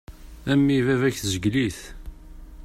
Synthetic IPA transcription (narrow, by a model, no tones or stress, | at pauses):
æmːivævæçθzəɡliθ